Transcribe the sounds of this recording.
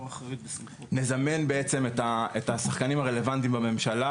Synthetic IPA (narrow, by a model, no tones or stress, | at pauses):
nezamenbe̞et͡se̞metaetasaχkanimaʁe̞le̞vant̪imbame̞mʃala